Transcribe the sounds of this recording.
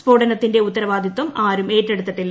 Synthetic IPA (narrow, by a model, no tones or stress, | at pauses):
spo̞ːɖɐnɐt̪ːinde̞ut̪ːɐɾɐʋaːd̪ʱjɐt̪ːʋɐmaːɾume̞ːtːeɽut̪ːɐʈːilːɐ